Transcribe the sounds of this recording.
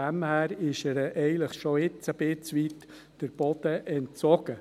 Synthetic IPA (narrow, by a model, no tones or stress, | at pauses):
æmhæːɾɪʃəɾʔɛɪələχʃoɪt͡səb̥ɪt͡sʋitː | əɾb̥ɔd̥̪əʔɛntt͡sɔɡ̥ə